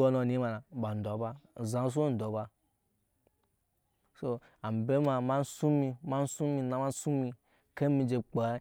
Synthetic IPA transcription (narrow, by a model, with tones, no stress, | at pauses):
o˦no˨ni˨˦ma˨na˨ba˨n̩˨do˨˦ba˧˨zã˨˦s̬u˦n̩˨do˨˦ba˧ | so˧ | a˨m˨be˦ma˧ma˦n̩˦su˦mi˧ma˦n̩˦su˦mi˧na˨˦ma˦n˦su˦mi˧ | ke˦mi˧d͡ʒe˨k͡pa˨˦